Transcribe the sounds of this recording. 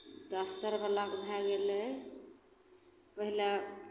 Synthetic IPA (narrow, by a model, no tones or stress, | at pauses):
t̪ɔəst̪əɾbəlakbʱɛɡele | pəɦila